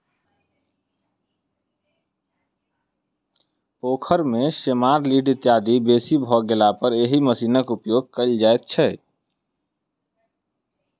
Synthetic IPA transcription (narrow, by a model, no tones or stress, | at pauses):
poːkʰəɾmesemaːɾliɖɪt̪jad̪ibesibʱɔɡelapəɾeɦiməsiːnəkupjoːɡ̚kəld͡ʒaet̪̚t͡ʃʰɛ